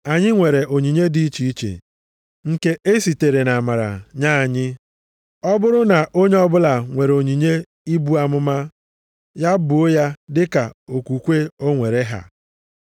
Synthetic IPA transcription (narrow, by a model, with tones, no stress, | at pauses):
a˨ɲɪ˦ŋʷe˨ɾe˨ʔo˨ɲi˨ɲe˦di˦i˦t͡ʃi˦i˦t͡ʃḛ˨ | ŋ̩˨ke˦ʔe˦si˨te˨ɾe˨na˨ma˨ɾa̰˨ɲa˦a˨ɲɪ˦ | ɔ˦bʊ˦ɾʊ˦na˨ʔo˦ɲe˦ɔ˦bʊ˦la˨ŋʷe˨ɾo˨ɲi˨ɲe˦ | i˦bu˦a˨mʊ˦ma˦ | ja˦bʊ˨o˦ja˦dɪ˦ka˨o˨ku˨kʷe˦o˦ŋʷe˨ɾe˦ɦa̰˨